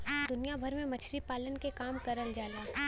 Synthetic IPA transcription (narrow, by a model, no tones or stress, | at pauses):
d̪ʊnijabʱɐɾmẽmɐt͡ʃʰɾipaːlənkekaːmkɐɾəld͡ʒaːlaː